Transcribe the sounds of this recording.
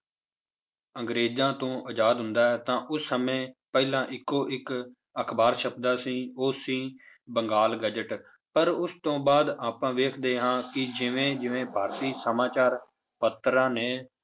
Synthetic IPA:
əŋɡɾeːd͡ʒãːt̪õːʔəd͡ʒaːd̪ɦʊnd̪aːɛːt̪ãːʔʊsːəmẽːpɛːlãːʔɪkːoːʔɪk | əkʰbaːɾʃəp̚d̪aːsĩːoːsĩː | bəŋɡaːlɡəd͡ʒəʈ | pəɾʊst̪õːbaːd̪aːpãːʋeːkʰd̪eːɦãːkɪd͡ʒɪʋẽːd͡ʒɪʋẽːpaːɾt̪iːsəmaːt͡ʃaːɾ | pət̪ɾãːneː

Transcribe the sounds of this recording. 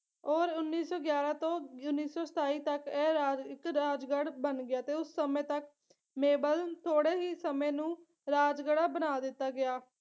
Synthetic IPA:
ɔːɾʊnːiːsɔːɡjaːɾãːt̪õːʊnːiːsɔːsə̥t̪aːiːt̪əkɛːɾaːd͡ʒɪkɾaːd͡ʒɡəɽbənɡɪjaːt̪eːʊsːəmẽːt̪ək̚ | meːbəlt̪ʰoːɽeːɦiːsəmẽːnũː | ɾaːd͡ʒɡəɽaːbənaːd̪ɪt̪ːaːɡɪjaː

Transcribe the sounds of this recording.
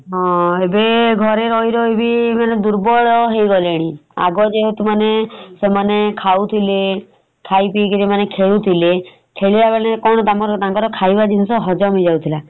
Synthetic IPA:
ɦɔ̃ebeɡʱɔɾeɾɔjɾɔebimaned̪uɾbɔɭɔɦejɡɔleɽ̃ia̰ɡɔd͡ʒeɦot̪umanesemanekʰawt̪ʰile | kʰajpikiɾimanekʰeɭut̪ʰile | kʰeɭibabẽekɔɽ̃ɔt̪amkɔɾɔt̪aŋkɔɾɔkʰajbad͡ʒinsɔɦɔd͡ʒɔmid͡ʒawt̪ʰila

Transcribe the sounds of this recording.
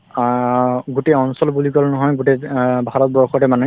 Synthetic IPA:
ɡutɛɔnsɔlbulikɔlnɔɦɔjɡutɛbʱaɹɔt̚bɔɹxʰɔtɛmanɛ

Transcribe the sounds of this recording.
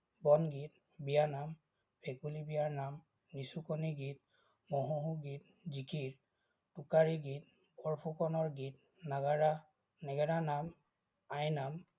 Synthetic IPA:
bɔnɡit̚ | bijanam | pʰekulibijaɹnam | nisukoniɡit̚ | mɔɦuɦuɡit̚ | zikiɹ | tukaɹiɡit̚ | pɔɹpʰukɔnɔɹɡit̚ | naɡaɹa | nɛɡɛɾanam | ajnam

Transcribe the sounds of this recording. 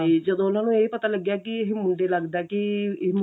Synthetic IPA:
id͡ʒəd̪õːʊnaːnũːeipət̪aːləɡjaːkɪɪɦmʊɳɖeːləɡd̪aːkɪɪm

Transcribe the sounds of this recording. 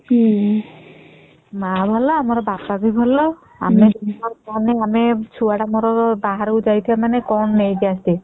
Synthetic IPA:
mabʱalɔamɔɾɔbapabʱibʱɔlɔ | a̰med̪inɔɾɔneamet͡ʃʰuaɽamɔɾɔbaɦaɾowd͡ʒajt̪ʰibamanekɔnːejd͡ʒiast̪i

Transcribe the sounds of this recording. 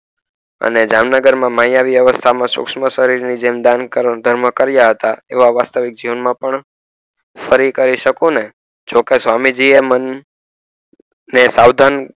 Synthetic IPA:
ə̰ned͡ʒamnəɡəɾmãmajaʋiʋjəʋəst̪ʰamãsʊ̰kʃməʃəɾiɾnid͡ʒemd̪ankəɾd̪ʱəɾməkəɾjaɦət̪aeʋaʋast̪əʋɪk̚d͡ʒiʋənmãpəɳ | fəɾikəɾiʃəkõne | d͡ʒokesʋamid͡ʒiemən | esawd̪ʱan

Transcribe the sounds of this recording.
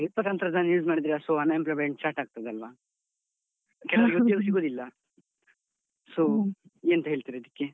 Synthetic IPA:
ɾit̪pɐt̪ant̪ɾɐd̪aːnjuːd͡ʒmaːɽid̪iɾeiɐsoɦɐnaemplajmjeɳʈ̚t͡ʃaːɾʈaːɡ̚t̪ɐd̪eɐlʋaː | kɛlɐʋɐɾɡutjeɡsiɡoːd̪ilːɐ | so | eːnt̪ɐɦeːɭt̪iːɾeid̪ikːe

